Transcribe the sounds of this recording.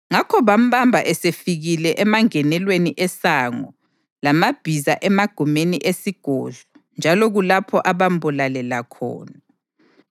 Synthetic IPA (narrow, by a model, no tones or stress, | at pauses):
ŋakʰɔβam̩ɓambʱa̰ʔɛsefiɣilɛʔɛmaŋɛnɛlweniʔɛsaŋɔ | lamab̥ʱizaʔɛmaɡ̥ʱumeniʔesiɡ̥ʱɔɮɔ | nd͡ʒʱalɔɣulapʰɔʔaβam̩bulalɛlakʰɔ̰ːna